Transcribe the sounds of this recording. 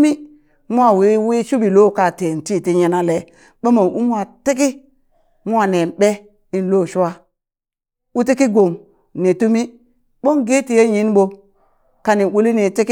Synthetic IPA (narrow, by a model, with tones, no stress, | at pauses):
mi˦ | mu˦a˦˨wi˦wi˦ʃu˦bi˨lo˦˨ka˨te˨n˨ti˦˨ti˦ɲe˦na˦le˨ | ɓo˦mo˨nʔu˦mu˦a˦˨te˦k̬i˦ | mu˦a˦ne˨ɓe˦ | i˦n˦lo˦˨ʃu˦wa˦ | u˦te˦ki˦ɡo˨m | ne˨tu˦mi˦ | ɓo˦ŋɡe˦ti˨je˦ji˦nɓo˦ | ka˨ni˨wu˦li˦ne˨te˦ki˦